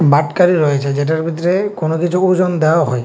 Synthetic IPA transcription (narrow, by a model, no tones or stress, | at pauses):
baʈkaɾiɾɔjet͡ʃʰed͡ʑeʈ̬aɾbʱit̪ɔɾekonokit͡ʃʰuud͡ʒɔnd̪ewaɦɔj